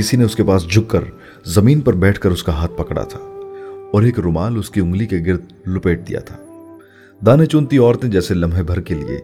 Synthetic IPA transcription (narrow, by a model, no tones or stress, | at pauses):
kɪsineʊskepaːsd͡ʒʱʊkkːɐɾ | zɐmiːnpɐɾbɛːʈʰkɐɾʊskaɦaːt̪̚ʰpɐkɽa̰t̪ʰḁːɔːɾeːkɾʊmaːlʊskiʊ̃ŋɡlikeɡɪɾd̪̚ | lʊpeːʈ̚d̪ḭja̰t̪ʰaː | d̪aːnet͡ʃʊ̃nt̪iɔːɾt̪ẽd͡ʒɛːselɐ̃mbʱɦebʱɐɾkelḭḛː